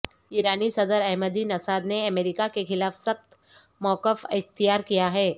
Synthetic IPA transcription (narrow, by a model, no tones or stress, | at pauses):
iːɾaːnisɐd̪əɾɛɦməd̪inɐsaːd̪neɐmeːɾɪkakexɪlaːfsɐxt̪ | mɔːkəfɪxt̪ijaːɾkijaɦɛː